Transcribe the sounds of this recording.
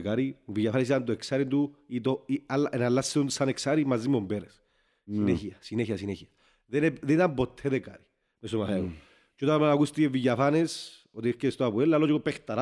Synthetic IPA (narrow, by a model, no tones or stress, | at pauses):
kaɾiuviʝafanes̬it̪ɐnd̪oeksaɾind̪uit̪oialːaʔenalːasiunsaneksaɾimːazːimombeɾes | sineçiɐsineçiasineçiɐ | ðeneðenit̪ambot̪ʰːeðekaɾi̥ | mest̪omaθeu | t͡ʃot̪amanakust̪ievːiʝafanes | ot̪iecest̪oapuelːalːot͡ʃkopext̪ɐɾa